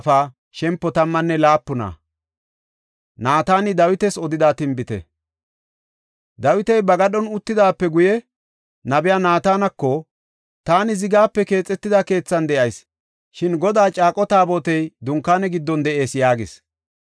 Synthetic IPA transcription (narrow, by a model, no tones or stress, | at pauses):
faː | ʃɛmpːɔt̪ɐmːɐnːɛlaːpːʊna̰ | naːt̪aːnɪd̪ɐwɪt̪ɛsɔd̪ɪd̪aːt̪ɪmbɪt̪ɛ̰ | d̪ɐwɪt̪ɛjbɐɡɐɗɔnʊt̪ːɪd̪aːpːɛɡʊjɛ | nɐbɪjaːnaːt̪aːnɐkːɔ | t̪aːnɪzɪɡaːpːɛke̞ːt͡sʼːɛt̪ːɪd̪ake̞ːt͡sːɐnd̪ɛʔɐjs | ʃɪnɡɔd̪aːt͡ʃʼaːkʼɔt̪aːboːt̪ɛjd̪ʊŋkːaːnɛɡɪd̪ːɔnd̪ɛʔe̞ːsjaːɡɪs